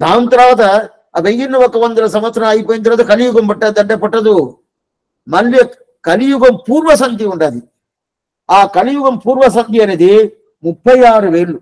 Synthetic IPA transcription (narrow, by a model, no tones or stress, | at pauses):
d̪aːnt̪ɐɾʋaːt̪ɐ | ɐbeŋɡinːɐʋɔkːɐʋɐnd̪ulɐsɐmʋɐt̪sɾɐmaːjipoːjint̪ɐɾʋaːt̪ɐkɐlijuɡɐmbɐʈːaːd̪ɐɳɖɐpɐʈːɐd̪u | mɐlːijɐ | kɐlijuɡɐmpuːɾʋɐsɐŋd̪iuɳɖaːd̪i | aːkɐlijuɡɐmpuːɾʋɐs̬ɐnt̪iɐneːd̪i | mupːɐjaːɾuʋeːɭːu